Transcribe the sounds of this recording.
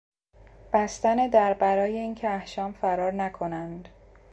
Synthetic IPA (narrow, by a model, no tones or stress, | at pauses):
b̥æst̪æned̪æɾbæɾɒːjeiːncʰeæhʃɒːmfæɾɒːɾnækʰo̞nænd̪